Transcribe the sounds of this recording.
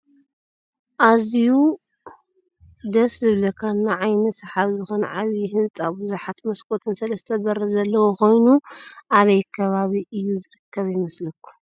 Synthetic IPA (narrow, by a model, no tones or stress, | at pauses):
ʔazju | d̪ɐszɨβlɐkʰanːaʕajnɐsɨħaβzɨxonʕaβihɨnt͡sʼabɨzuħat̪mɐskʰʼo̞t̪ʰɨnsɐlɐst̪ʰɐbɐɾɐzɐlːɐwoko̞jnuʔaβɐjkʰɐβaβiʔɨjːuzɨɾɨkʰːɐβjɪmɐslɐkʰːu̥